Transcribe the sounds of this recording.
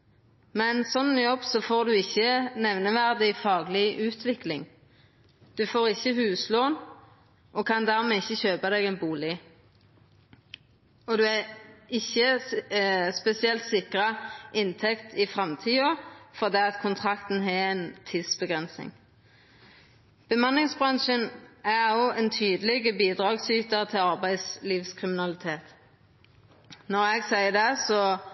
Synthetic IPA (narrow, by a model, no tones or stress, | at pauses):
mɛnsɔnːnjɔbsɔfoːʁd̪ʉɪçːənɛʋnəʋæʁd̪ɪfɑːɡəlɪʉːt̪ʰʋɪklɪŋ | d̪̥ʉfoːʁɪçːəhʉːsloːn | ʔɔkʰɑnd̪æʁmeːɪçːəçøːpɑd̪ɛɡɛnbuːlɪ | ɔd̪ʉɛɪçːə | spɛsɪɛlt̪sɪkʁəʔɪnt̪ʰɛkt̪ʰɪfʁɛmt̪ʰiːofɔʁd̪ɛːɑt̪kʰʊnt̪ʰʁɑkt̪n̩ɦɛɛnt̪ʰɪd̪sb̥əɡʁɛnsɪ̰ŋ | b̥əmɑnːɪŋsbʁɑnʃənæʁoːɛnt̪ʰyːd̪əlɪɡəbiːd̪ʁɑːɡsyːt̪əʁt̪ʰɪlɑʁbæɪsliːʋskʰʁɪmɪnɑlɪt̪ʰeːt̪ | nɔʁɛɡsæɪəd̪ɛsɔ